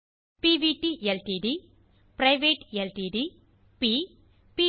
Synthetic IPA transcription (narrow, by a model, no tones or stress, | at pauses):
piːʋiʈielʈiɖi | pɾɐjʋeːʈelʈiːɖi | pi | pi